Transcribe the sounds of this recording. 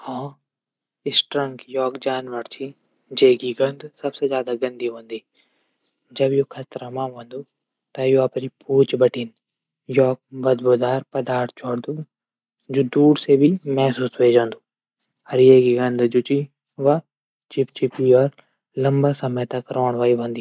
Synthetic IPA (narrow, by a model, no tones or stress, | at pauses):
hãː | ɪsʈɾəŋkjɔːkd͡ʒaːnʋəɾt͡ʃʰi | d͡ʒeːɡiɡɐ̃nd̪sɐbsed͡ʒjaːd̪aɡə̃nd̪iːɦõːnd̪iː | d͡ʒəbjoːkʰɐt̪ɾamãːʋõːnd̪uː | t̪ãjoːɐpɾipuːt͡ʃbəʈʰiːn | jɔːk̚bəd̪boːd̪aːɾpɐd̪aːɾt̪̚ʰt͡ʃʰoːɽd̪uː | d͡ʒuːd̪uːɽsebimɛɦsuːsʋeːd͡ʒãːnd̪uː | ɐɾɪjeːɡiɡɐ̃nd̪d͡ʒʊt͡ʃiː | ʋa | t͡ʃɪpt͡ʃɪpiɔːɾ | lɐmbasɐmət̪akɾɔːɳ̃ʋaːiʋə̃nd̪iː